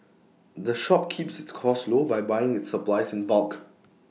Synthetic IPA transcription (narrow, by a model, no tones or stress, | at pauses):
dəʃɔp̚kʰipsɪtskʰɔslobaɪbaɪɪ̃ŋɪtsəplaɪsɪ̃nvalˠk